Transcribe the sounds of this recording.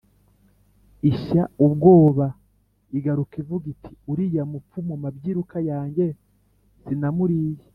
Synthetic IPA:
iʃaubɡo̞ːβa | iɡaɾukivuɡitʰi̥uɾijamup͡fumumabɟiːɾukajaːɲɟe | sinamuɾiːje

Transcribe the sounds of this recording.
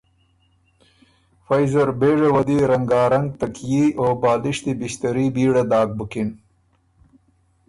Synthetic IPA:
fajzɐɾbeːʐawɐd̪iɾɐŋɡɑːɾɐŋɡ̚t̪ɐkjiʔoːbɑːld̪ɪʃt̪ibist̪ɐɾibiːɽad̪ɑːk̚bukin

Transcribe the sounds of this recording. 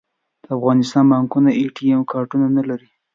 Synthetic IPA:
d̪̥əafɣɑnɪst̪ɑnbɑŋkunaeʈiemkɑɾʈunanalaɾi

